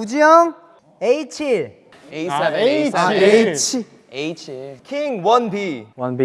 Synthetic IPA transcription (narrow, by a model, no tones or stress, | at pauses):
ud͡ʑijʌŋ | eit͡ɕʰiɾ | e | et͡ɕʰi | et͡ɕʰikʰiŋwʌnbiwʌnbi